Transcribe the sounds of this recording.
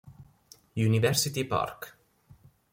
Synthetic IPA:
junivɛɾsit̪ipa̰rk

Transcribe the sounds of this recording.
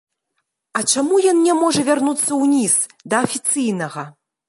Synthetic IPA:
ɐt͡ʂamujɔnnʲɛmɔʐɐvʲarnut̪sːɐwnʲis | d̪ɐːfʲit̪sɨjnɐɣɐ

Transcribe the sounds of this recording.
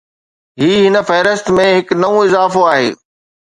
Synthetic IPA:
ɦiːɦɪnə̆fɐɦɪɾɪst̪mẽɦɪknɐʋũɪzaːfoaːɦḛː

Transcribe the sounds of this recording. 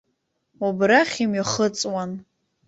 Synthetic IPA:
obraχʲimɥiχət͡sʼwan

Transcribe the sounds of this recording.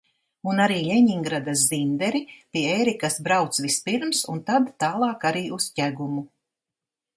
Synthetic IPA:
unaɾiːlʲɛɲiŋɡɾad̪as̬zind̪ɛɾipiɛejɾikasbɾawt̪sʋispiɾmsunt̪ad̪ːaːlˠɑːkaɾiːuscæɡumu

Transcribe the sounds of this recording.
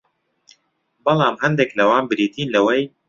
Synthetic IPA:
bɑlˠɑːmhɐnd̪eklɐwaːnbɨɾiːt̪iːnlɐwɐj

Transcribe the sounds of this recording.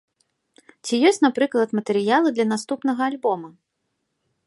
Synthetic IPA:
t͡sʲijɔsʲt͡sʲnapɾɨklˠɐt̪mɐt̪ɛɾɨjalˠɨd̪lʲɐnast̪upn̪ɐɣɐːlʲbɔmɐ

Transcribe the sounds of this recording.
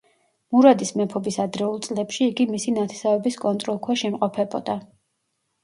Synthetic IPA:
muɾad̪ismɛpʰɔbisad̪ɾɛulˠt̪sʼlɛpʃiːɡimisinat̪ʰɛ̥savɛbiskʼɔnt̪ʼɾɔlˠkʰwaʃimqʼɔpʰɛbɔ̰d̪̥a

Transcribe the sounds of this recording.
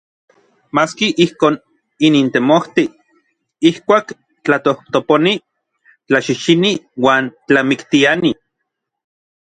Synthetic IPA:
maːskiʔihkoːn | inint̪emoht̪i | ihkʷaːk | t͡ɬat̪oht̪oponi | t͡ɬaʃiʃiniwaːnt͡ɬamikt̪iani

